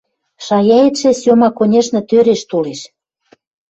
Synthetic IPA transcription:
ʃɑjɑet̪ʃĕsomɑkonʲeʃnɤ̆t̪øɾeʃt̪oleʃ

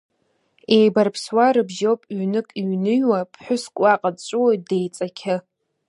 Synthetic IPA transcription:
e̞jbarpʰswaɾɨbʒowpʼɥnɨkʼiɥnɨjwapʰħʷᶣʊskʷʼaqʼadt͡ʃʷʼɨwojt̚dejt͡sʼakʲʰɪ

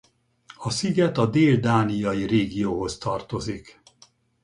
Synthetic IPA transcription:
ɒsiɡɛt̪ɒd̪eːld̪aːnijɒjireːɡijoːɦo̞st̪ɒrt̪o̞zik

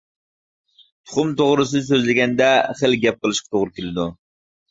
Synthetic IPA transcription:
t̪ʰʊ̥χʊmt̪ʰoʁɾɨs̬ɨs̬øzlɪɡʲɛnd̪ɛχəlɡʲɛp̚qəlˠɨʃqɑt̪ʰoʁɾʊkʲelɪd̪u

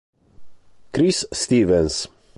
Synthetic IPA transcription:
kɾisːt̪iːvɛns

